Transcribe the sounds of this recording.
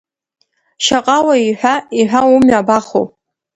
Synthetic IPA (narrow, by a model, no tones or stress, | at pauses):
ʃaqʼawaiħʷᶣaiħʷᶣawumɥabaχo̰